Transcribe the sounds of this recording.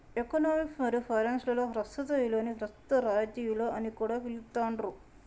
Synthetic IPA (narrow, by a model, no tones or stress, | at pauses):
ekonoːmiksmɐɾiupʰɐjɾɐːnslɐloːɦɾɐsɐt̪ɐjiloːniɦɾɐst̪ɐɾaːd͡ʒijuloːɐnikuːɽaːʋilt̪aːɳɖɾu